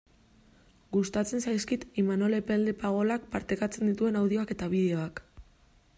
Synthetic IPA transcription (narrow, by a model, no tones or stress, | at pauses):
ɡust̪at͡se̞nsajskit̪imanolepeld̪epaɣ̞o̞lak̚paɾt̪e̞kat͡se̞nd̪it̪ue̞nawð̞io̞ake̞t̪aβ̞iðe̞o̞ak